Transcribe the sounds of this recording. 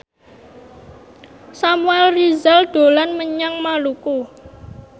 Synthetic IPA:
samuɛlrizald̪̥o̤lanməɲaŋmaluku

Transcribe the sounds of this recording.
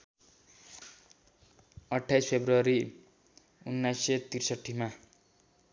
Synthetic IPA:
ʌʈʰːajspʰebruʌɾi | unːajset̪irsʌʈʰːima

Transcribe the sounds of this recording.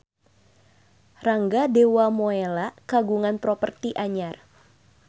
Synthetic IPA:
raŋɡadewamoelakaɡuŋanpɾɔpərt̪iʔaɲar

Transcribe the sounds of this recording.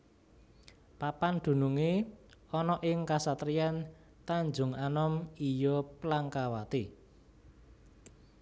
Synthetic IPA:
papand̪̥ṳnuŋeɔnɔʔɪŋkasat̪ɾijan | t̪aɲd͡ʒʊ̤ŋanɔmijɔplaŋkawat̪i

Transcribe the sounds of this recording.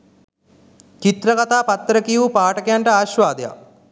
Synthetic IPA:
t͡ʃit̪ɾɐkɐt̪aːpɐt̪ːɾɐkijupaːʈɐkejaɳʈɐaːɕʋaːd̪eja̰

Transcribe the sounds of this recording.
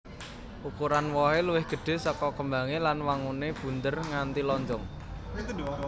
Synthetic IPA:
ʔukuɾanwɔɦeluwɪhɡ̥ə̤ɖ̥e̤sɔkɔkəmbaŋelanwaŋuneb̥ṳnt̪ərŋant̪ilɔɲd͡ʒɔŋ

